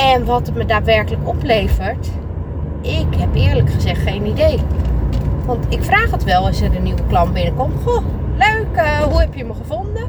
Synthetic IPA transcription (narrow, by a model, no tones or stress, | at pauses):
ɛnʋɔtətmədaːtʋɛɹkələkɔpleːvəɹt | ʔɪkhɛpɪəɹləkχəzɛxtxejnideː | ʋɔntɪkfraːxətʋɛlˠəsərdəniwəplɑnbɪnəkɔmxoløɥkhuhɛpjəməχəfondə